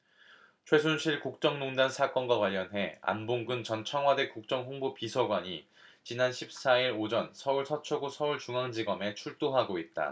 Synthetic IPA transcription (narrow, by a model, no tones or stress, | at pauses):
t͡ɕʰwe̞s̬ʰunɕʰiɭkuk̚t͡ɕ͈ʌŋnoŋdansʰak͈ʌnɡwakwaʎːʌnɦe̞a̰nboŋɡɯnt͡ɕʌnt͡ɕʰʌŋɦwade̞k͈uk̚t͡ɕ͈ʌŋɸoŋbopisʰʌɡwaɲi | t͡ɕinanɕʰip̚s͈aiɾod͡ʑʌnsʰʌuɭsʰʌt͡ɕʰoɡosʰʌuɭt͡ɕuŋaŋd͡ʑiɡʌme̞t͡ɕʰuɭt͈oɦaɡoit̚t͈a̰